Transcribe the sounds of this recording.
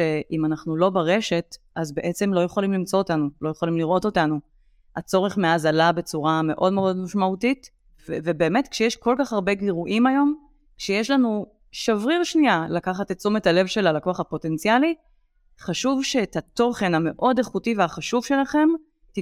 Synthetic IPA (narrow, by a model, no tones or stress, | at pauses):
eʔimanaχnulo̞baʁe̞ʃe̞t | azbe̞ʔe̞t͡se̞mlo̞jeχolimlimt͡so̞ːtanulo̞jeχolimliʁo̞to̞tanu | at͡so̞ʁeχme̞azalabe̞t͡suʁame̞ʔo̞dmeo̞dmaʃmautit | vvebe̞ːme̞tkʃejeʃko̞lkaχhaʁbe̞ɡiʁuʔimajo̞m | kʃejeʃlanu | ʃavʁiʁʃnialakaχatett͡sumethale̞vʃe̞lalakoaχapo̞te̞nt͡siali | χaʃuvʃeːtato̞χe̞name̞ʔo̞deχutiveaχaʃuvʃe̞laχe̞m | ti